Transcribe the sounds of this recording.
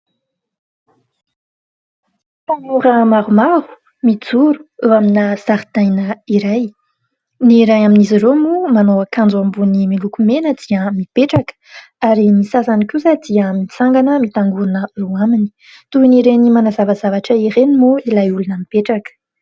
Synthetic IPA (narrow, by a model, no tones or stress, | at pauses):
t̪aŋuɾəmaɾumaɾu̥ | mid͡zuɾu̥ewaminəz̥aɾit̪ajnəiɾaj | niɾajaminiziɾomumanoakãnd͡zuambunimilukumenəd̪iəmipeʈ͡ʂakə̥ | aɾimisasanikuzad̪iəmit͡saŋɡanəmit̪aŋɡuɾanəewamini | t̪uiniɾenimanazavazavaʈ͡ʂəiɾenimuilajulunəmipeʈ͡ʂakə̥